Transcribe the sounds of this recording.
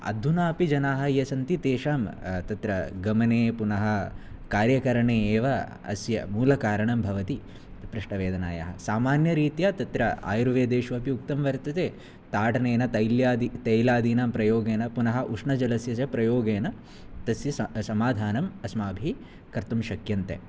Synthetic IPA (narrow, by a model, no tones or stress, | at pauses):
ɐ̰d̪ʱːunaːpid͡ʒɐnaːɦɐjɐsɐnt̪it̪eːʂaːmt̪ɐt̪ɾɐɡɐmɐneːpunɐɦɐ̆kaːɾjɐkɐɾɐɳeːeːʋɐ | ɐ̰sjɐ̰muːlɐkaːɾɐɳɐmbʱɐʋɐt̪i | pɾɪʂʈɐʋeːd̪ɐna̰ːjɐ̰ɦɐ̰saːmaːnjɐɾiːt̪jaːt̪ɐt̪ɾɐa̰ːjɾuʋeːd̪eːʃʋɐpiukt̪ɐmʋɐɾt̪ɐt̪eː | t̪aːʈɐneːnɐt̪ɐjljaːd̪it̪ɐjlaːd̪iːnaːmpɾɐjoːɡeːnɐpunɐɦɐ̆ʔuʂɳɐd͡ʒɐlɐsjɐt͡ʃɐpɾɐjoːɡeːnɐ | t̪ɐsjɐɐsɐmaːd̪ʱaːnɐmɐsmaːbʱi | kɐɾt̪umʃɐkjɐnt̪ḛ